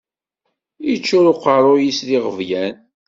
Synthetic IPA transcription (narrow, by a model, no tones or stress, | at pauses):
it͡ʃːʊɾoqəɾˤojisðiʁəvjæn